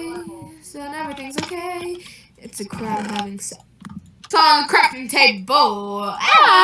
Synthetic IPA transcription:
snɛviθɪ̃ŋzoʊkʰeɪ | ɨtsɨkʰɹ̥aʊɾ̚ɦævɪ̃ŋs | sɔ̃ŋkʰɹ̥ɛftɨ̃ŋtʰeɪk̚b̥oʊ

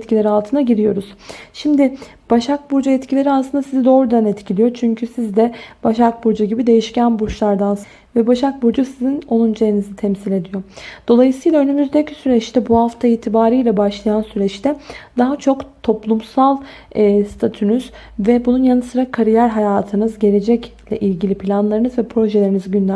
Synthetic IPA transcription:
t̪cʰilʲe̞ɾialˠt̪ʰɯnaɟiɾijo̞ɾuz̥ʃimd̪ɪ | b̥aʃak̚buɾd͡ʒaɛt̪cʰilʲe̞ɾiasɯnd̪asizid̪o̞ːɾud̪anɛt̪cʰilʲijo̞t͡ʃʰyɲcʰysizd̪ɛb̥aʃak̚buɾd͡ʒuɟibid̪e̞jiʃcænbuɾʃlˠaɾd̪ans | vɛbaʃak̚buɾd͡ʒusizino̞nˠund͡ʒejinizit̪ʰɛmsilʲe̞d̪ijo̞d̪̥o̞lˠajɯsɯjlˠaønymyzd̪ecʰisyɾɛt͡ʃt̪ʰɛbuhaft̪ʰaiːt̪ʰibaːɾiːlʲɛbaʃlˠajansyɾɛt͡ʃt̪ʰɛd̪̥aɦat͡ʃʰo̞kt̪ʰo̞plˠumsalˠː | st̪ʰat̪ʰynyz̥ | vɛbununjanɯsɯɾakʰaɾijæɾʲɦajaːt̪ʰɯnɯzɟe̞lʲe̞d͡ʒɛclʲɛ̰ʔilʲɟilʲipʰilʲanlˠaɾɯnɯzvɛpʰɾo̞ʒelʲe̞ɾiniziɟynlʲæ

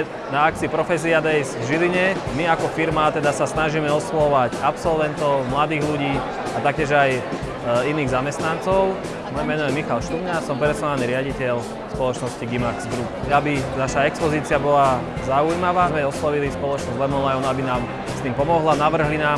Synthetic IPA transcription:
naak̚t͡siːpɾɔfɛs̬iad̪ɛjsvʒiliɲɛmiakɔfiɾmat̪ɛd̪asasnaʒiːmɛɔslɔɔʋaɟapsɔlʋɛnt̪ɔʊmlad̪iːɣluɟiː | at̪ak̚cɛʒaj | iniːɣzamɛst̪nant͡sɔʊ | mɔjɛmɛnɔjɛmixalʃt̪uɲasɔmpɾɛsaaniɾɪaɟicɛʎ | spɔlɔt͡ʃnɔsciɡimaɾkzɡɾupabinaʃaɛkspɔziːt͡siabɔla | zaujmaʋaːzmɛɔslɔʋilispɔlɔt͡ʃnɔzɟlɛmɔnlajɔnabinaːm | st̪impɔmɔɦlanaʋr̩ɦlinaːm

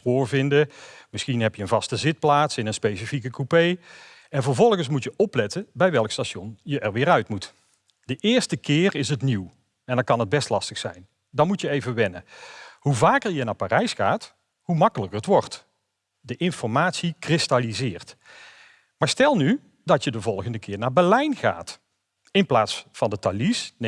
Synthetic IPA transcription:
roːɹvɪndəmɪsxinɦɛpjəənvɑstəzɪt̚plaːtsɪnənspejsəfikəkupej | ɛnvəɹvɔlˠɣəns̬mutjəʔɔplɛtəbɛjʋɛlˠkstaːʃɔnjəʔɛɹʋɪːɾœɥtmut | dəʔɪːɹstəkɪːrɪsətniw | ɛndɑnkɑnɦəd̚bɛstlɑstəxsɛ̰jn | dɑnmutjəejvəʋɛnə̰ɦuvaːkəɹjənaːpaːrɛjsxa̰ːt | humɑkələkəətʋɔɹt | dəʔɪnfɔɹmaːtsikrɪstalizɪːɹt | maːɹstɛlˠny | dɑtjədəvɔlˠɣəndəkʰɪːɹnaːɹbɛɹlɛjnɣa̰ːt | ɪnplaːtsfɑndətalisn

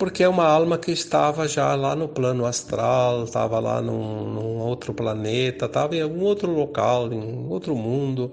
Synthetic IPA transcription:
poɾkɪɛũmɐalmɐkɪɪst̪avɐʒalanʊplɐ̃nʊast̪ɾalt̪a̰vɐla̰nʊ̃nʊ̃owt̪ɾʊplanet̪ɐt̪avɐẽawɡũowt̪ɾʊlokalẽowt̪ɾʊmũnd̪ʊ

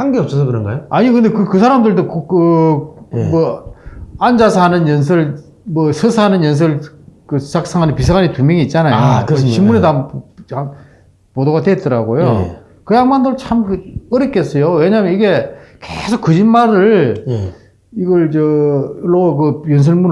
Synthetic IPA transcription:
haŋɡeʌp̚s͈ʌs̬ʰokɯɾʌnɡa̰joaɲikɯnd̪ekɯkɯs̬ʰaɾamdɯɭdokkɯ | mʌ | and͡ʑasʰanɯnjʌns̬ʰɯɭ | mʌsʰɯsʰaanɯnjʌns̬ʰɯɭ | kɯt͡ɕak̚s͈ʰaŋɦanɯnpisʰaɡaɲitumʲjʌŋiːt̚t͡ɕ͈anajokɯt͡ɕimunetaɯna | podoɣadweːt̚t͈ʌɾaɡojo | kɯjaŋmandoɾt͡ɕʰamkɯk͈ʌɾek͈es͈ʌjoweɲamjʌniɡe̞kesʰok͈ːɯd͡ʑinmaɾɯɭ | iɡʌɭt͡ɕʌɭːok̬ɯjʌnsʰɯɭmun

